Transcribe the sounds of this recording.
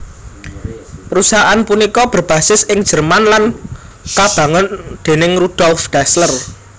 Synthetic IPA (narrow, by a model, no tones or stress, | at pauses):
pəɾusaɦaʔanpunikɔb̥ə̤rb̥ä̤sɪsʔɪŋd̥ʒ̥ə̤rmanlan | kab̥a̤ŋənd̪̥e̤nɪŋrud̥ɔlfd̥aslər